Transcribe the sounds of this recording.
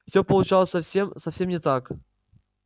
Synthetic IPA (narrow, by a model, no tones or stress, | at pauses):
fsʲopəlˠʊt͡ɕalˠəsʲɐfsʲemsɐfʲsʲe̞mnʲɪt̪ak